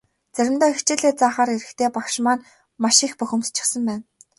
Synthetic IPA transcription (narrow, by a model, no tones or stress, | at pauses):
t͡sæɾʲɪ̆mt̪œːixt͡ɕɪːɮeːt͡saːχaːɾeɾɘ̆xt̪ʰeːpakʃmaːn | maʃĭːxpɵxʲɵ̆mt͡ɕʰɪ̥̆χsə̆mpæːn